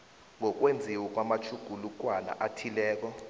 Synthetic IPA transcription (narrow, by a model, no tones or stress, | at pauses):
ŋɔk̬ʼwend͡zʱiwɛk̬ʼwamat͡ʃʰuɡ̥ʱuluk̬ʼwana̰ʔatʰilɛːk̬ɔ